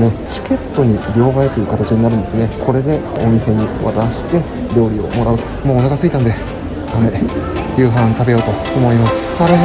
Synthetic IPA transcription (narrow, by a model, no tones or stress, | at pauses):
net͡ɕi̥kʲe̞t̪ːo̞ɲ̟iɾʲo̞ːɡaet̪ojɯ̟kat̪at͡ɕiɲ̟inaɾɯ̟̃nd̪e̞sɨne̞kʰo̞ɾe̞d̪e̞o̰mʲise̞ɲ̟iβa̰t̪aɕi̥t̪e̞ | ɾʲo̞ːɾʲio̞̰mo̞ɾaɯ̟t̪o̞̥moːnoɡasɨit̪ãnd̪e | haijɯ̟ːɦãt̪abe̞jo̞ːt̪o̞ | omo̞imasɨ̥